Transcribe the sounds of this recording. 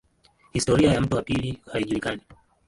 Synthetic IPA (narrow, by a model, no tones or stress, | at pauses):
histɔɾiajam̩tuapilihaiʄulikani